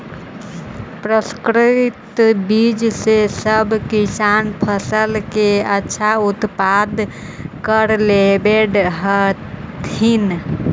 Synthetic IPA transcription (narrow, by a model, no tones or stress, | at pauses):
pɾəskɾit̪bid͡ʒsesəbʱkisanpʰəsəlkeətːʃʰaut̪pad̪ | kəɾlebeɖɦət̪ʰin